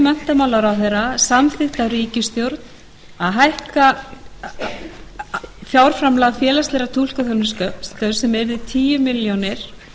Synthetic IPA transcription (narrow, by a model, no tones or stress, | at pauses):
mɛn̥t̪amaːwlaɾawθejɾasamθɪht̪awɾiːcɪst̪jowɾt̪n | aðɦajhka | fjawɾ̥fɾamlaɣfjɛːlast̪lɛɾat̪ʰul̥kaθœnɪskœpst̪œsɛmɛɾðɪt̪ʰiːjʏmɪljonɪɾ̥